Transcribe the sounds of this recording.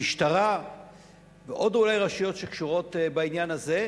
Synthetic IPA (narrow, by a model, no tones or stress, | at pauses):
iʃtaʁa | veʔo̞dulajʁaʃujo̞tʃekʃuʁo̞tbainjanaze̞